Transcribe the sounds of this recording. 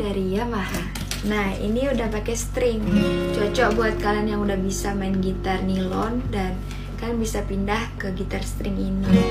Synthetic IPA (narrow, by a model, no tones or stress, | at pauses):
aɾijamaɦa | nahḭniudahpakɛst̪ɾɪŋt͡ʃɔt͡ʃɔʔbuat̪̚kalanjaŋudahbisamaɪnɡit̪arnilɔndan | kannbisapindahkəɡit̪arst̪ɾɪŋini